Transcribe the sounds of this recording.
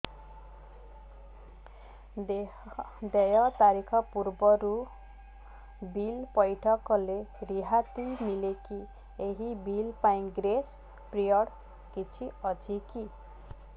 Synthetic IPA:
d̪ejʌt̪aɾikʰʌpuɾbʌɾu | bilpʌjʈʰʌkɔleɾiɦat̪imileki | eɦibilpaĩɡɾes | prijʌɽ | kit͡sʰiʌd͡zʱiki

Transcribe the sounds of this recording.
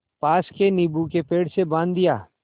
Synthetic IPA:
paːskenibukepeːɽsebãːnd̪ɪjaː

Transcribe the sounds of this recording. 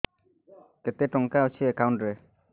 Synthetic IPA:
kɛt̪eʈɔŋkaut͡ʃʰiɛkawɳʈɾɛ

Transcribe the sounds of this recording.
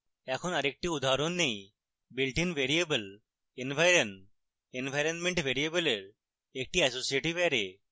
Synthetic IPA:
ɛkʰonaɾek̚ʈiud̪ʱaɾonːej | bilʈinʋeɾiebəl | enbʱajɾən | enbʱajɾənmẽɳʈʋʱeɾiebəleɾ | ek̚ʈiɛsosieʈiʋɛɾe

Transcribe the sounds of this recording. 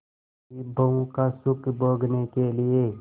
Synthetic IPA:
ibʱəũkasʊkbʱoːɡnekelɪe

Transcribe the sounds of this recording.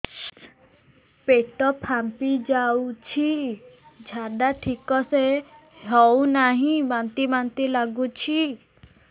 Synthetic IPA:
peʈɔpʰampid͡ʒawt͡ʃʰi | d͡ʒʱaɖaʈʰikɔseɦɔwnaɦĩbant̪ibant̪ilaɡut͡ʃʰi

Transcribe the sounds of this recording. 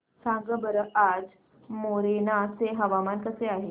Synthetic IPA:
sãŋɡəbəɾəʔad͡z | moɾenat͡seɦəʋamankəseaɦe

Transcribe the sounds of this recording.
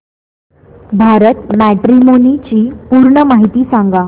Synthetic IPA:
bʱaɾət̪mæʈɾimonit͡ɕiːpuːɾɳəmaɦit̪iːsãŋɡa

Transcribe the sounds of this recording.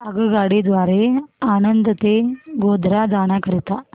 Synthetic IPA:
əɡəɡaɽed̪ʋaɾeanənd̪ət̪eɡod̪ʱɾad͡zaɽ̃akəɾit̪a

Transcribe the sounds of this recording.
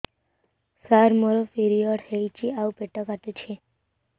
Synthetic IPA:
saɾmoɾofiɾiɔɖhejt͡ʃʰiawpeʈːɔkat̪et͡ɕʰe

